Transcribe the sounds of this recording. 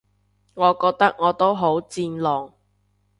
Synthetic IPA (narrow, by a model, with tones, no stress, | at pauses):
ŋɔː˨˧kɔː˧k̚t̪ɐ˥k̚ŋɔː˨˧t̪o˥wɦo˨˥wt͡siː˧nlɔː˨˩ŋ